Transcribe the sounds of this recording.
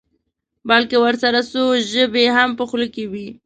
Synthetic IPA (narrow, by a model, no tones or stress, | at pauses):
balkewəɾsaɾasoʒəbeɦampəxləkewi